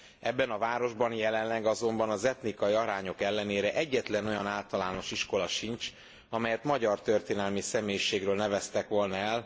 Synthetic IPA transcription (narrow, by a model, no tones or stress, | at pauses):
ɛbːɛnɒvaːɾo̞ʒbɒnjɛlɛnlɛɡɒzo̞mbɒnɒzɛt̪nikɒjiɒɾaːɲo̞kɛlːɛneːɾɛʔɛɟːɛt̪lɛno̞jɒ̰naːlt̪ɒlaːno̞ʃiʃko̞lɒʃint͡ʃ | ɒmɛjɛt̪mɒɟɒrt̪ø̞rt̪eːnɛlmisɛmeːjiʃeːɡrøːlnɛvɛst̪ɛkʋo̞lnɒɛl